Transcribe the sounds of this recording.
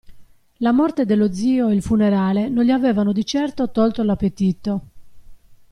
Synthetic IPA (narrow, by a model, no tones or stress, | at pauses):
lamɔrt̪ed̪elːod̪ziːoeilfuneɾaːlenõnʎiavɛːvanod̪it͡ʃɛrt̪ot̪ɔlt̪olapːet̪it̪o